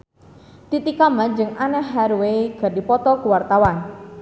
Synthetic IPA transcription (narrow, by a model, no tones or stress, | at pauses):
t̪it̪ikamad͡ʒɨŋanɛɦːaɾweɡ̥a̤dipɔt̪ɔkuwart̪awan